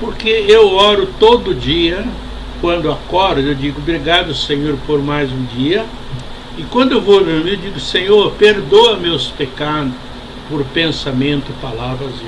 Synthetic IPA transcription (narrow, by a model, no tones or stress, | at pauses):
poɾkeewɔɾʊt̪od̪ʊd͡ʒiɐ | kwɐ̃nd̪ʊakɔɾd̪ʊewd͡ʒiɡʊbɾiɡad̪ʊsẽɲoɾpoɾmajzũd͡ʒiɐ | ɪkwɐ̃nd̪ʊewvolɐ̃mewd͡ʒiɡʊsẽɲoɾpeɾd̪oɐmewspekad̪ʊ | poɾpẽsamẽnt̪ʊpalavɾɐze